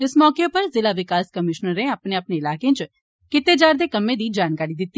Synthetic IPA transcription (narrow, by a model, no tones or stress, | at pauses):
ɪsmɔːkepəɾzɪlaʋɪkaːskəmɪʃnəɾẽapneɐpneɪlaːkẽt͡ʃ | kɪt̪ed͡ʒaːɾd̪eːkɐmːẽd̪iːd͡ʒaːnkaːɾid̪ɪt̪ːi